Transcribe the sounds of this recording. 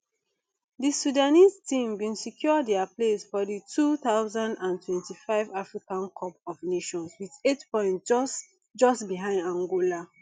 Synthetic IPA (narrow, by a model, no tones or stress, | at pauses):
disudaniztĩmbĩnsikʰjɔdɛaplesfɔditʰuθaʊzãndãntʰwɛ̃ntifaɪvafɹikãnkʰɔpɔvneʃɔ̃nswiθetpɔ̃ɪ̃nt | d͡ʒɔstbiɦãɪ̃ndãŋɡola